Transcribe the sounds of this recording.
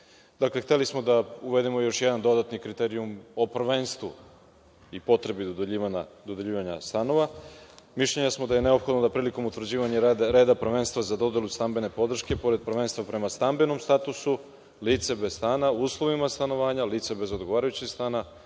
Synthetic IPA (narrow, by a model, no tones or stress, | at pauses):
d̪akle̞xt̪elismo̞d̪auʋe̞d̪imo̞jo̞ʃjed̪and̪o̞d̪at̪nikɾit̪eɾijumo̞pr̩ʋenst̪ʋu | ipo̞t̪ɾe̞bid̪od̪eʎiːʋaɲa̰d̪od̪eʎiːʋaɲa̰st̪ano̞ʋamiʃʎeɲasmo̞d̪aje̞ne̞o̞pxo̞d̪nod̪apɾiːliko̞mut̪vɾ̩d͡ʑiːʋaɲeɾd̪ɾe̞ːd̪apr̩ʋe̞nst̪ʋazad̪o̞d̪elust̪ambe̞ne̞po̞d̪r̩ʃke̞po̞ɾed̪̚pɾʋenst̪ʋapɾe̞mast̪ambe̞no̞mst̪at̪usu | liːt̪se̞be̞zst̪aːnauːslˠo̞ʋimast̪ano̞ʋaːɲaliːt̪sebe̞zo̞d̪ɡoʋaːɾajut͡ɕest̪aːna